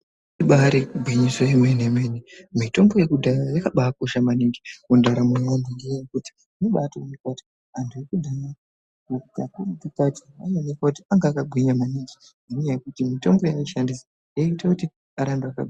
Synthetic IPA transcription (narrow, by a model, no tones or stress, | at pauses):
iɓaɾikuɡʱwiɲiswoimwenemwenimito̞mbojekudʱaɾajakaɓaːkoʃamaniŋɡikundaɾamuandiŋɡejekuti̥ | noɓatoimikwati̥ | andʰujikudʱaja | okutakurupikatʰiaanekwautiaŋɡaːkaɡʱwiɲamaniŋɡi | nanɲajekutimito̞mbo̞jaiʃandisa | jaitakuti | aɾandoaka̰ɡʱi